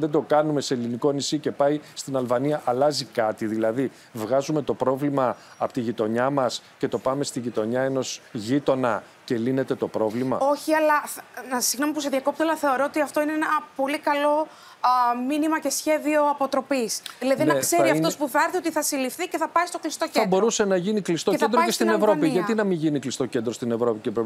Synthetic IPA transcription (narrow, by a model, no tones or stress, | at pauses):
ðed̪o̞kɐnume̞seliniko̞nisice̞pɐjst̪inɐlvɐniɐʔɐlɐzikɐt̪iðilɐði | vɣɐzume̞t̪o̞pɾo̞vlimɐː | pot̪iʝit̪o̞ɲɐmɐsce̞t̪o̞pɐme̞st̪iʝit̪o̞ɲɐe̞no̞zʝit̪o̞nɐ | ce̞line̞t̪e̞t̪o̞pɾo̞vlimɐ̰o̞çiɐlɐnɐsiɣno̞mipuseðiɐko̞p̚t̪elɐθe̞o̞ɾo̞ot̪iɐft̪o̞ineenɐpo̞likɐlo̞ | minimɐce̞sçe̞ðio̞ɐpo̞t̪ɾo̞pisðilɐðinnɐkse̞ɾiɐft̪o̞spuθɐɾθio̞t̪iθɐsilifθice̞θɐpɐist̪o̞klist̪oceɐndbo̞ɾuse̞nɐʝiniklist̪oend̪oest̪inevɾo̞piʝɐt̪inɐmiʝiniklist̪o̞ce̞nd̪ɾost̪inevɾo̞picepɾe